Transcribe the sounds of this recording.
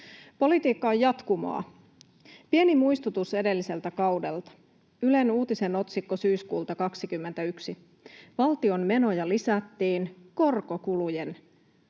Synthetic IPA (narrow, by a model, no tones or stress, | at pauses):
po̞lit̪iːkːɑojjɑt̪kumo̰ɑ̰ | pie̞nimujst̪ut̪use̞de̞lːise̞lt̪ækɑwdelt̪ɑ̥ | yle̞nuːt̪ise̞no̞t̪sikːosyːskuːlt̪ɑkɑksikymːent̪æyksi | ʋɑlt̪io̞mme̞no̞jɑlisæt̪ːiːnko̞rko̞kulujen